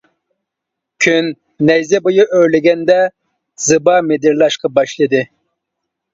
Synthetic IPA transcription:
kʲʰynː | ɛjzɛbojɑʔøɾlɪɡʲɛnd̪ɛ | z̥ɨbɑmed̪ɪɾlˠɑʃqɑbɑʃlˠɨd̪ɨ

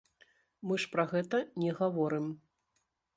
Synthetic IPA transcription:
mɨʂpɾɐɣɛt̪ɐnʲɛɣavɔɾɨm

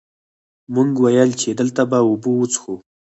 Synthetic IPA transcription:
muŋɡwajəlt͡ʃed̪əlt̪abaubuut͡sxu

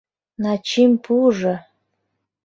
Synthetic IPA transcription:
nɑt͡ɕimpʰuʒɤ

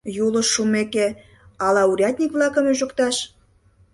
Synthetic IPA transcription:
julə̆ʃːumeke | ɑlɑuɾʲɑt̪̚ʲnʲikβlɑkə̆myʒŏkt̪ɑʃ

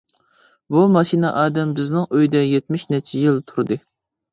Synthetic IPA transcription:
bumɑʃinɛʔɑːd̪ɛmbɪznɪŋøjd̪ɛjet̪̚mɪʃnɛt͡ʃʰɛjilˠt̪ʰuɾɨd̪ɨ

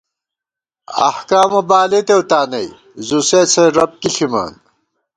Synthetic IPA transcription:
ɐ̰hkaːmɐbaːlet̪ewt̪aːnɐj | zuset͡sʰeɾɐp̚kiɬʰima̰ːn

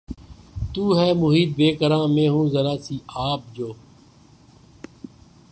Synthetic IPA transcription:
t̪uːɦɛːmʊɦiːd̪̚beːkəɾãːmẽːɦũːzəɾaːsiːaːp̚d͡ʒoː

